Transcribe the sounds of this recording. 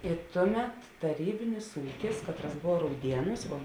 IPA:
ɪ ˈtʊˌmʲɛt tɐˈrʲiːbʲɪnʲɪs ˈuːkʲɪs ˈkɑːtˌrɐs ˈboːw ˈrɐʊdʲiɛˌnuːs ʋoː

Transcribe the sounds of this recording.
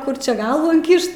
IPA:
ˈkʊr ˈt͡ʃʲɛ ˈɡɐlˠʋuː ɪŋʲˈkʲɪʃt

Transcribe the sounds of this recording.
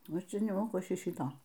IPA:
ˈnʊ ˈt͡ʃʲɛ nʲɛˈmoːkʊ ˈɐʃ ˈʃʲiː ˈʃʲiːtoː

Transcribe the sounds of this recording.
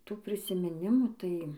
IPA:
ˈtuː pʲrʲɪsʲɪmʲɪˈnʲɪmuː ˈtɐɪ

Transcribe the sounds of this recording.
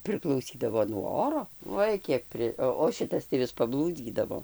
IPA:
pʲrʲɪklˠɐʊˈsʲiːdɐʋoː nuɔ ˈoːroː ˈoːɪ ˈkʲiɛk ˈpʲrʲɪ ˈoː oː ˈʃʲɪtɐs tɐɪ ˈʋʲɪs pɐˈblˠuːd͡zʲiːdɐʋoː

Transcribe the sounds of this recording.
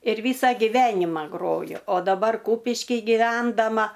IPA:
ɪr ˈʋʲiːsɐ ɡʲɪˈʋʲæːnʲɪmɐ ˈɡroːjʊ oː dɐˈbɐr ˈkuːpʲɪʃʲkʲɪj ɡʲɪˈʋʲɛndɐmɐ

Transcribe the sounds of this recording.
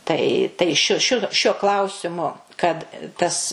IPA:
ˈtɐɪ tɐɪ ˈʃʲʊ ˈʃʲʊ ʃʲuɔ ˈklˠɐʊsʲɪmʊ kɐt tɐs

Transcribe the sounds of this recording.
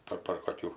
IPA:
ˈpɐr pɐr koːˈkʲuː

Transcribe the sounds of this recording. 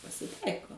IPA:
pɐsʲɪˈtɐɪkoː

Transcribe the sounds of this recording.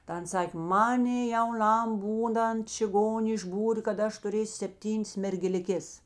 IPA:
tɐ ˈɐns ˈsɑːkʲeː ˈmɑːnʲeː jɛʊˈnɐm ˈbuːˌnɐnt t͡ʃʲɪˈɡoːnʲeː ɪʒˈbuːrʲeː kɐt ˈɐʃ tʊˈrʲeːsʲʊ sʲɛpʲˈtʲiːnʲeːs mʲɛrʲɡʲɛlʲɪˈkʲeːs

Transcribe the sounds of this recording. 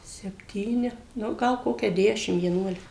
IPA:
sʲɛpʲˈtʲiːnʲɪ ˈnʊ ˈɡɐlˠ ˈkoːkʲɛ ˈdʲæːʃʲɪm ʋʲiɛˈnuɔlʲɪkɐ

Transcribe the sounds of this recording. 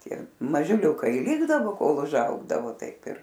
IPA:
ˈtʲiɛ mɐʒʲɪˈlʲuːkɐɪ ɪ ˈlʲɪɡdɐʋoː ˈkoːlˠ ʊʒˈɐʊɡdɐʋoː ˈtɐɪp ɪr

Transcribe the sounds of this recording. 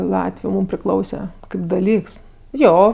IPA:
ˈlˠɑːtʲʋʲʊ ˈmuːm pʲrʲɪˈklˠɐʊsʲɛ ˈkɐɪp dɐˈlʲiːks ˈjoː

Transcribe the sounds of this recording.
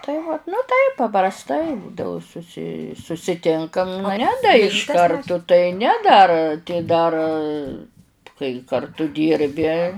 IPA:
tɐɪ ʋɐt nʊ ˈtɐɪp pɐprɐsˈtɐɪ ˈbuːdɐʋʊ sʊˈsʲɪ sʊsʲɪˈtʲɪŋkɐm nʊ ˈnʲɛ dɐ ɪʃ ˈkɐrtʊ tɐɪ ˈnʲɛ dɐr tɐɪ ˈdɐr kɐɪ kɐrˈtʊ ˈdʲiːrʲbʲɪ

